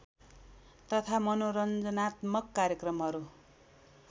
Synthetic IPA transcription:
t̪ʌt̪ʰamʌnoɾʌnd͡zʌnat̪mʌkːaɾjʌkrʌmɦʌɾu

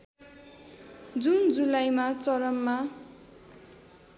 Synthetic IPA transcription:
d͡zund͡zulajmat͡sʌɾʌmːa

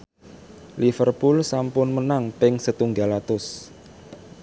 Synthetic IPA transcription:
lifərpulsampʊnmənaŋpɪŋsət̪uŋɡalat̪ʊs

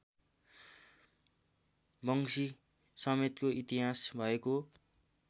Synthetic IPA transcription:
bʌŋsi | sʌmet̪koʔit̪iɦasbʱʌeko

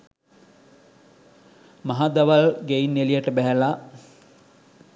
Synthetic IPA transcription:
maɦad̪aʋalɡeinːelijəʈəbæɦæla

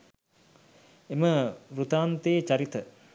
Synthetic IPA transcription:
eməɾut̪aːnt̪eːt͡ʃɐɾit̪ə

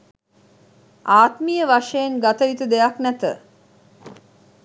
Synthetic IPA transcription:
aːt̪mijəʋaʂejeŋɡat̪əit̪ud̪ejaknæt̪ə

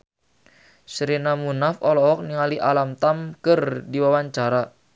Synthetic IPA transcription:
sɾinamunafɔlɔɔk̚niŋaliʔalamt̪amkərdiwawaɲt͡ʃaɾa

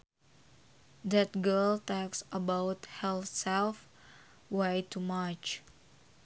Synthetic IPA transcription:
dɛt̪̚ɡəlt̪ɔksʔəbawt̪hɛlsɛlf | wajt̪umat͡ʃ

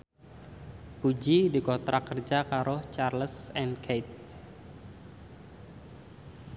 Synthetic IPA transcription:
pud͡ʒidikɔt̪ɾakərd͡ʒakaɾɔht͡ʃarləsɛnkʰet̪̚

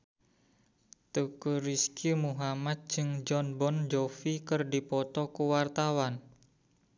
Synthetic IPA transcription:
t̪ukuɾiskimuɦamat̪̚d͡ʒɨŋd͡ʒɔnbɔnd͡ʒofikɨrdipɔt̪ɔkuwart̪awan

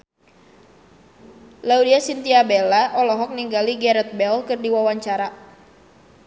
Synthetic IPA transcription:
laudiasint̪iabelaʔɔlɔɦɔk̚niŋɡaliɡɛɾɛt̪̚bɛlkɨrdiwawaɲt͡ʃaɾa

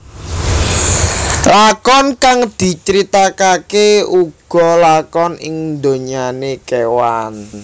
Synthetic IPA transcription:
lakɔnkaŋd̪̥i̤t͡ʃəɾit̪akakeuɡ̥ɔ̤lakɔnɪ̰ŋnd̪o̤ɲanekewan

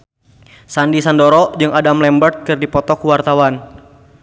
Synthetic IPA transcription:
sandisandɔɾɔd͡ʒɨŋadamlɛmbərt̪̚kɨrdipɔt̪ɔkuwart̪awan

